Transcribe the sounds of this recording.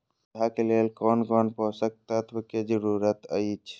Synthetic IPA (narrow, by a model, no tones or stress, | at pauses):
ɦakeleːlkoːnkoːnposək̚t̪at̪ʰbəked͡ʒəɾuːɾət̪əit͡ʃʰ